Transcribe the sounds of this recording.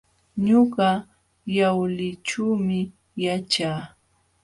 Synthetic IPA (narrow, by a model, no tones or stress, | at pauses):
ɲoɢɑ | jawlɪʈ͡ʂuːmɪ | jat͡ʃaː